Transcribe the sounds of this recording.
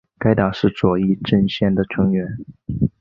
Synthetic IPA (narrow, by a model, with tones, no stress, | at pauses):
ka˥ɪt̪a˨˩ʂɻ̩˥˩t͡swɔ˨˩i˥˧ʈ͡ʂə˥˧nɕjɛ˥˩nd̪ə˩ʈ͡ʂʰɤ˧˥ŋɥɛ˧˥n